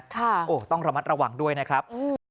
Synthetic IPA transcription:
kʰa˥˩ʔoː˨˩t̪ɔ˥˩ŋɾa˧ma˦˥t̪̚ɾa˧waː˨˩ŋdu˥˩əjna˦˥kʰɾa˦˥p̚ʔɯː˧

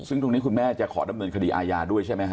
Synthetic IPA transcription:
sɯ˥˩ŋt̪o˧ŋniː˦˥kʰu˧nmɛː˥˩t͡ɕa˨˩kʰɔ̰ː˩˦da˧mnɤː˧nkʰa˧diː˧ʔaː˧jaː˧du˥˩əjt͡ɕʰa˥˩jma˦˥jk

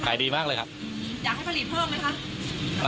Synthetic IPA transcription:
kʰaː˩˦jdiː˧maː˥˩lɤː˧jkʰa˦˥p̚jaː˨˩k̚hpʰa˧li˨˩t̪̚pʰɤː˥˩əma˦˥jkʰa˦˥p̚

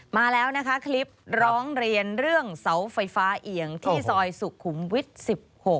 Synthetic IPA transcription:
maː˧lɛː˦˥wna˦˥kʰa˦˥kʰli˦˥p̚ɾɔː˦˥ŋɾi˧ənɾɯ˥˩əŋsa˩˦wfa˧jfaː˦˥ʔi˩˦əŋt̪ʰiː˥˩sɔː˧jsu˨˩kʰu˩˦mwi˦˥t̪̚si˨˩p̚ho˨˩k̚

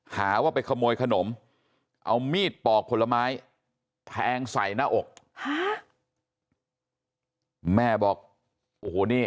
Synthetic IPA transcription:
haː˩˦waː˥˩pa˧jkʰa˧moː˧jkʰa˧no˩˦m | ʔa̰˧wmiː˥˩t̪̚pɔː˨˩k̚ʰːo˧la˧maː˦˥j | t̪ʰɛː˧ŋsa˨˩˦jnaː˥˩ʔo˨˩k̚ha˦˥ | mɛː˧˥˩bɔː˨˩k̚ | ʔoː˨˩˨niː˧˩

